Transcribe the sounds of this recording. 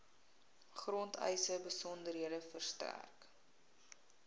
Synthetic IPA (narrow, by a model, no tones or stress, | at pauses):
χrɔntʰə̰jsəbəsɔndəɾɦiədəfərstæ̰rk